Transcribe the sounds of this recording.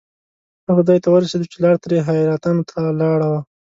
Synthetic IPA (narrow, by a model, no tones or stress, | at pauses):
haxʊd̪ɑjt̪awəɾased̪ut͡ʃelɑɽt̪ɾeɦajɾat̪ɑnot̪ʰalɑɽawa